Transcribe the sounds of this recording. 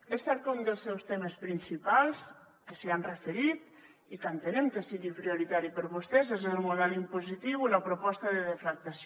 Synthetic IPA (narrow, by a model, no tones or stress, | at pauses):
esːɛɾk̪und̪əlˠsɛwst̪eməspɾinsipalˠs | kəseanrəfeɾit̪ | ikənt̪enemkəsiɣipɾioɾit̪aɾipəɾβust̪ɛzezelˠmuðɛlimpuzit̪iwiləpɾopɔst̪əðəðeflak̚t̪as